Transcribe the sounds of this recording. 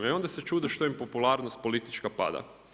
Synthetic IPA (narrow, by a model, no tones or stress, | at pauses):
io̞nd̪ase̞t͡ʃuːd̪oʃt̪oimpo̞pulˠaːɾnost̪̚po̞lit̪i̥t͡ʃkapa̰d̪a̰